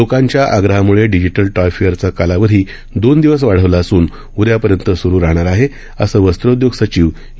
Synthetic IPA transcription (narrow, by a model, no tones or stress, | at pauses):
lokãɲt͡ɕjaʔaɡɾəɦamuɭeɖid͡ʑiʈəlʈɔjfejəɾt͡sakalaʋəɾ̤iː | d̪ond̪iʋəs̬ʋaɽ̤əʋlaːsuːn | uɾjapəɾjənt̪əsuɾuːɾaɦɳ̃aɾaɦe | əsəːʋəst̪ɾəud̪joɡsət͡ɕiːʋ